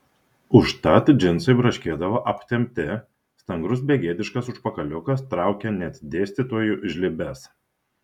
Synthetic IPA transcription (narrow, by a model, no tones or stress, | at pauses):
ʊʃt̪ɐt̪d͡ʒʲɪnsɐɪbɾɐʃʲkʲeːd̪ɐʋoʔɐpʲt̪ʲɛmʲt̪ʲɪ | st̪ɐŋɡɾʊs̬bʲeːɡʲeːd̪ʲɪʃkɐsʊʃpɐkɐlʲʊkɐst̪ɾɑˑʊkʲɛnʲɛt̪ʲd̪ʲeːsʲt̪ʲɪt̪oːjuʔɪʒʲlʲɪbʲɛs